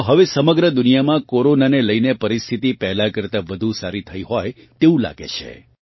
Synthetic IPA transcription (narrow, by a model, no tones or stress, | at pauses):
ɦəʋesəməɡɾəd̪unijamãkoɾonaneləjnepəɾist̪ʰit̪ipɛɦlakəɾt̪aʋəd̪ʱũsaɾit̪ʰəiɦɔj | t̪eũla̰ɡḛt͡ʃʰḛ